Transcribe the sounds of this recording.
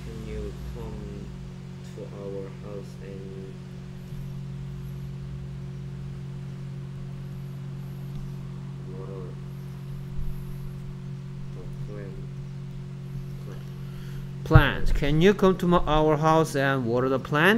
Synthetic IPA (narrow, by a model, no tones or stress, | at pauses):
kʰɨ̃njukʰʌ̃m | tʰuʔawə˞haʊs | ɨ̃n | wɔɾə˞ | ðəpʰlæ̃n | pʰlæ̃n | pʰl̥æ̃nskʰɨ̃njɨkʰʌ̃mtʰumʔaʊə˞ɦaʊsɨ̃nwɔɾə˞ðəpʰl̥æ̃n